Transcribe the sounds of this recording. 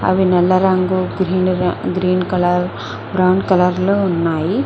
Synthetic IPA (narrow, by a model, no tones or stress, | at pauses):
ɐ̰ʋinɐlːɐɾaŋɡuɡɾiːnɡɾiːnkɐlɐɾ | bɾawɳɖkɐlɐɾləunːaːi